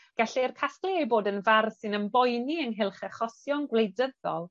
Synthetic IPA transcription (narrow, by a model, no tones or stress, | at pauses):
ɡ̥aɬɛrkʰasklɛejboːdənvarsɨnəmbɔjniənɦɪlˠχɛχɔsjɔnɡlejdəðɔlˠ